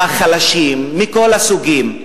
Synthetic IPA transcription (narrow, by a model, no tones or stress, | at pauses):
aχalaʃimːiko̞lasuɡim